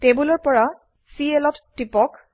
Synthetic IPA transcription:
tebulɔɹpɔɹa | sielɔtːipɔk

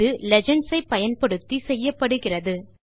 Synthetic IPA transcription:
ɯlɛd͡ʒɐɳɖsɐɪpːɐjɐnpɐɽɯt̪ːisɛjːɐpːɐɽɯɣɪrɐðɯ

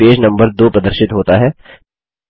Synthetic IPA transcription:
eːd͡ʒnɐ̃mbəɾd̪oːpɾɐd̪əɾʃɪt̪ɦoːt̪aɦɛː

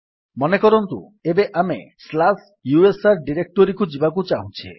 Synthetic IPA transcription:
mɔnekɔɾont̪ṵ | ebeʔamḛslas | juesaɾɖiɾek̚ʈoɾikud͡ʑibakut͡ɕaɦũt͡ɕʰḛ

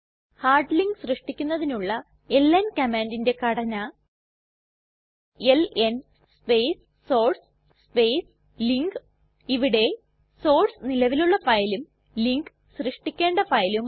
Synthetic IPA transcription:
haːrɖliŋɡɨsrɨʂʈikʲːunːɐðinuɭːɐ | elːɐnkɐmaːndinde̞kɐɽɐnɐ | elen | spejsːo̞ːrs | spejs | liŋɡɨ | iʋiɽe̞ | so̞ːrsnilɐʋiluɭːɐfɐjlum | liŋɡ | srɨʂʈikʲːe̞ːɳɖɐfɐjlum

